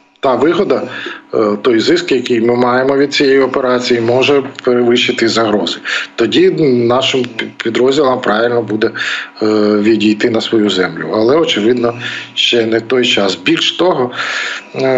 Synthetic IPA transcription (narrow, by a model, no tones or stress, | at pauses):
t̪ɑʋɪɦɔd̪ɐ | t̪ɔjzɪskjɐkijmɪmɑjemɔʋʲid̪̚t͡sʲijejɔpeɾɑt͡sʲijimɔʒɛpeɾɪʋɪʃɪt̪ɪzɐɦɾɔzɪt̪ɔdʲinɑʃɪmpʲid̪ɾɔzʲdʲilˠɐmpɾɑʋɪlʲnɔbud̪ɛ | ʋʲidʲijt̪ɪnɐsʋɔjuzɛmlʲʊ̰ɐlˠɛɔt͡ʃɪʋɪd̪nɔʃt͡ʃɛnɛt̪ɔjt͡ʃɑsbʲilʲʃt̪ɔɦɔ